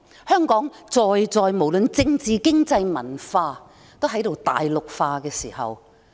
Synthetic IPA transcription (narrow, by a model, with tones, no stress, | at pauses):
hœː˥ŋkɔː˨˥ŋt͡sɔː˨jt͡sɔː˨jmo˨˩wlɵ˨˧nt͡sɪ˧ŋt͡siː˨kɪ˥ŋt͡sɐ˧jmɐ˨˩nfaː˧ | t̪o˥wɦɐ˨˥jt̪o˨wt̪a̰ː˨jlʊ˨k̚faː˧kɛː˧siː˨˩hɐ̰˨w